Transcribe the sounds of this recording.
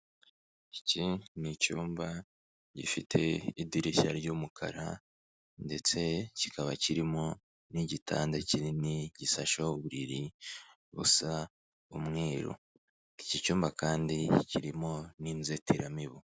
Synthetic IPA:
icinicuːmba | ɟḭfitʰḛidiɾiʃaɾɟuːmukʰa̰ɾa | nde̞t͡se̞cikʰaβa̰ciɾimo̞ | niɟitʰa̰ːndeciɾiniɟisaʃoβuɾiɾi | βṵsa | umŋeːɾo̰ | icicuːmbakaːndiciɾimo̞niːnzetʰeɾamiβo

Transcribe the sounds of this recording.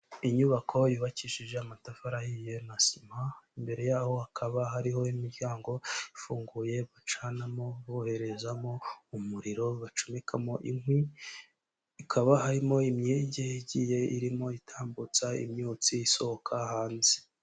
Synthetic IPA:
iɲuβakʰo̞juβaciʃiʒe̞amatafaɾahije̞nasimaimbe̞ɾe̞jaːho̞hakʰaβaɦaɾiho̞imiɾɟaːŋɡo̞ifuːŋɡuje̞βat͡ʃaːnamo̞βohe̞ɾe̞zamo̞umuɾiɾo̞βat͡ʃomekʰamo̞ʔiŋhwi | ikʰaβahaɾimo̞imɲeːɟeiɟiːje̞ḭɾimo̞itʰaːmbut͡saḭmɲuːt͡siiso̞hokʰahaːnzi

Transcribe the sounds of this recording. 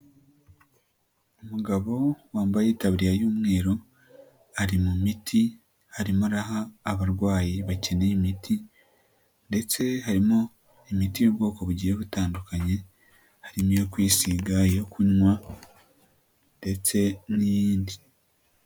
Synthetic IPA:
omuɡaβo̞waːmbajiːtaβiɾijajuːmŋe̞ːɾo̞ | aɾimumitʰi | haɾimuɾaɦaːβaɾɡwaːjiβace̞neimitʰi | nde̞t͡se̞haɾimo | emitiobɡo̞ːko̞βuɟiɾe̞βutaːndukaɲe̞ | haɾimekwiːsiɡajo̞kuɲwa | nde̞t͡se̞nijiːndi

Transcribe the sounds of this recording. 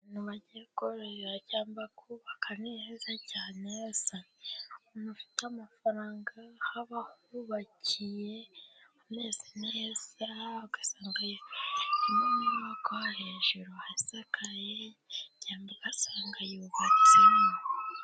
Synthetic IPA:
nuβaɟekoɾejaɟaːmbakʰuβakʰaneezacaːnesa | nufi̥tamafaɾaːŋɡahaβahuβacʰijeamneːzinaesaaɡḁsaːŋɡajoiminuβakohaɾeɲʒuɾuhaisakaje | ɟaːmbaɡ̥asaːŋɡajuβat͡sin

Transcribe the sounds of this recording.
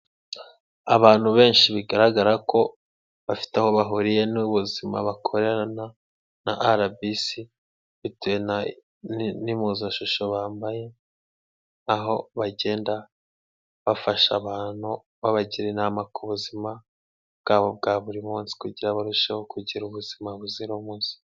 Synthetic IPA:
aβaːn̥huβe̞ːnʃiβiɡaɾaɡaɾako̞ | βafi̥teho̞βaɦuɾije̞nuβuzima̰βakʰo̞ɾe̞ɾana | naʔaɾabisi | βitujena | nimuːzaʃuʃo̞βaːmbaje̞ | aɦo̞βaɟe̞ːnda | βafaʃaβaːn̥hu | βaβaɟiɾenamakʰuβuzima | bɡ̥aːβo̞b̚ɡaːβuɾimuːnsi̥kuɟiɾaβaɾuʃehokʰuɟiɾuβuzimaβuziɾomuːnsi̥

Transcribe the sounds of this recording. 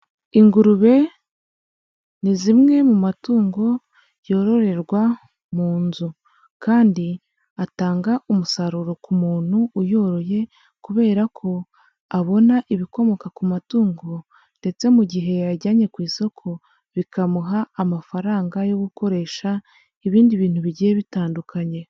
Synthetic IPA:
iŋɡuɾuβe̞ | nizimŋe̞mumatuːŋɡo̞ | jo̞ːɾo̞ɾe̞ɾɡwa | muːnzu | kaːndi | ataːŋɡaʔumusaɾuɾo̞kumuːn̥huːjo̞ːɾo̞je̞ | kuβe̞ːɾakʰo̞ | aβo̞naʔiβiko̞mo̞kakumatuːŋɡo̞ | nde̞t͡se̞muɟiɦe̞jaɟaɲe̞kwiːso̞kʰo̞ | βikamuɦaːmafaɾaːŋɡajo̞ɡuko̞ɾe̞ːʃa | iβiːndiβiːn̥huβiɟijeβitaːndukaɲe̞

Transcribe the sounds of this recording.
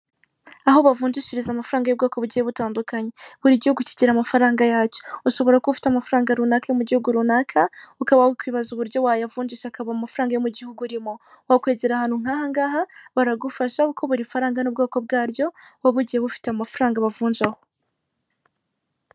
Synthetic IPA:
aɦo̞βavuːɲd͡ʒiʃiɾizamafuɾaːŋɡajob̚ɡaːko̞βuɟiheβutaːndukaɲeβuɾiɟihuɡuci̥ciɾamafaɾaːŋɡajaːco̥uʃo̞βo̞ɾakofi̥tamafuɾaːŋɡaɾunaːkajomuɟihuɡuɾunakʰaukaβaukwiːβazuβuɾɟo̞wajavuːɲd͡ʒiʃaakaβamafuɾaːŋɡajomuɟihuɡuɾimo̞ | wakwe̞ːɟeɾahaːn̥huŋ̥aːhaŋɡaːhaβaɾaɡufaʃaukʰo̞βuɾiufaɾaːŋɡanubɡaːko̞b̚ɡaːɾjo̞waβuɟiheβufi̥teamafuɾaːŋɡaβavuːnd͡ʒaho

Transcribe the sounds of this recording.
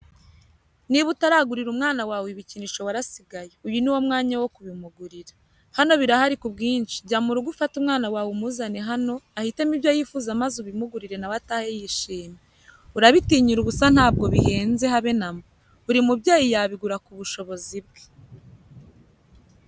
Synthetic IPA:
niβutaɾaɡuɾiɾumŋaːnawaːweβiciniʃo̞waɾasiɡaje̞ujuniwo̞mŋaːɲawo̞kuβimuɡuɾiɾḁ | hano̞βiɾahaɾikubɡiːnʃi̥bɟaːmuɾuɡufatumŋaːnawaːwemuzaneɦano̞ahite̞mibjajifuːzamazuβimuɡuɾiɾe̞naβataːhejiʃiːme | uɾaβitiɲiɾuβusan̥haːb̚ɡo̞βihe̞ːnze̞ɦaβe̞namo | uɾimubɟaːjijaβiɡuɾakuβuʃo̞βo̞zib̚ɡe̥

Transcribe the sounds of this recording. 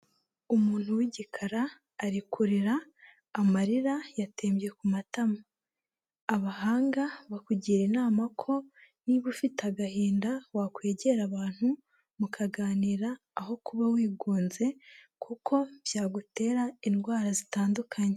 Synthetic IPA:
umuːn̥huwiɟikʰaɾaː | ɾikʰuɾiɾaː | maɾiɾajatʰeːmbje̞kumatamaː | βaɦaːŋɡaβakuɟiːɾinaːmakʰo̞niβufitaɡahiːndawakweːɟe̞ɾaβaːn̥hu | mukʰaɡaːniɾaː | ɦo̞kuβawiːɡuːnze̞ | kʰukʰo̞β̥jaːɡute̞ːɾainɡwaːɾazitaːndukʰaɲe

